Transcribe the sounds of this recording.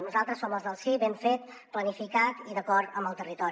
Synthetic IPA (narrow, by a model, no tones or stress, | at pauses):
nuzalˠt̪ɾəsːoməlˠzðəlˠsiβɛmfet̪̚ | plənifikat̪iðəkɔɾt̪əmbəlˠt̪ərit̪ɔɾi